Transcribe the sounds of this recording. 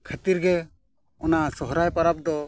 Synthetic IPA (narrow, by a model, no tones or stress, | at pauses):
kʰat̪iɾɡɛ | ɔnasɔɦɾajpaɾap̚d̪ɔ